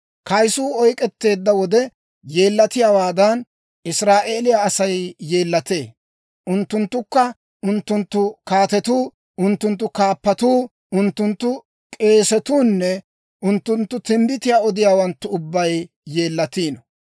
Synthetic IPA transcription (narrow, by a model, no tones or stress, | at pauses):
kɐjsuːɔjkʼɛt̪ːe̞ːd̪ːɐwɔd̪ɛ | je̞ːlːɐt̪ɪjaːwaːd̪ɐn | ʔɪsɾaːʔe̞ːlɪjaːsɐjje̞ːlːɐt̪eː | ʔʊnt̪ːʊnt̪ːʊkːɐ | ʔʊnt̪ːʊnt̪ːʊkaːt̪ɛt̪uː | ʔʊnt̪ːʊnt̪ːʊkaːpːɐt̪uː | ʔʊnt̪ːʊnt̪ːʊ | kʼe̞ːsɛt̪uːnːɛ | ʔʊnt̪ːʊnt̪ːʊt̪ɪmbɪt̪ɪjaːɔd̪ɪjaːwɐnt̪ːʊʊbːɐj | jeːlːɐt̪iːnɔ